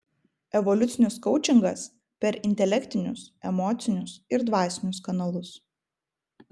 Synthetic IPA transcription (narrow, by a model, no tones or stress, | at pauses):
ɛʋɔlʲʊt̪sʲɪnʲʊskɒʊt͡ʃʲɪŋɡɐs | pʲɛɾɪnʲt̪ʲɛlʲɛkʲt̪ʲɪnʲʊsɛmɔːt̪sʲɪnʲʊsɪɾd̪ʋɑːsʲɪnʲʊskɐnɐlˠʊs